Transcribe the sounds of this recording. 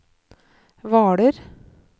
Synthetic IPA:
ʋɑːæːɖeɾ

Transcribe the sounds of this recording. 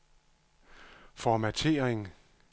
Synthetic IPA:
fɒmæt͡sʰe̝̰ːɐeŋ

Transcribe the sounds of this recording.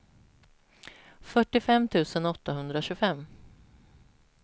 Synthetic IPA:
fœʈːɪfɛmt̪ʰʉ̟ːsənɔt̪ːaɦɵnd̪ɾaɕɵːfɛmː

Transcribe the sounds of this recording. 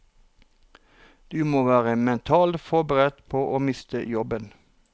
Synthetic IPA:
d̪̥ʉːmoːʋæːʁəmɛnt̪ʰɑːlt̪fɔbəʁɛd̪pʰoːʔoːmɪst̪ə̰jɔbən

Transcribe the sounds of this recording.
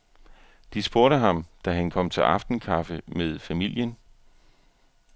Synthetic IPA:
d̥isb̥o̝ɐɾəɦɑ̈md̥æɦænkʰɒ̽m̰t͡sʰe̝lʔɑ̈fd̥n̩kʰɑ̈fəmeðˠfæmil̰jən

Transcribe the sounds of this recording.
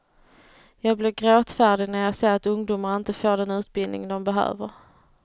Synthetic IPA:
jɑːɡblɪːɡɾoːt̪fæːɖɪɡnæɾjaːseːɾat̪ɵŋd̪uːmaɾɪnt̪əfoːɖɛnʉ̟ːt̪̚bɪld̪ɪ̰ŋd̪ɔmbɛɦø̰ːvəɾ

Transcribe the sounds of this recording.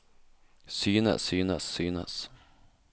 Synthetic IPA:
syːnə̰syːnəsːyːnə̰s

